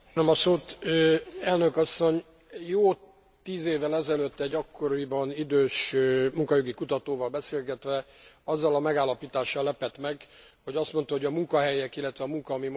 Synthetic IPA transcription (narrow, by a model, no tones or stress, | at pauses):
nømɒsoːt̪øɛlnøkɒsːo̞ɲ | joː | t̪iːzeːvːɛlɛzɛløt̪ːɛɟːɒkːo̞ɾibɒnid̪øːʃmuŋkɒjoɡikut̪ɒt̪oːvɒlbɛseːlɡɛt̪ʋɛɒzːɒlɒmɛɡaːlːɒpiːt̪aːʃːɒlːɛpɛt̪mɛɡho̞ɟɒst̪mo̞nt̪ɒho̞ɟɒmuŋkɒɦɛjɛkilːɛt̪ʋɛɒmuŋkɒːmim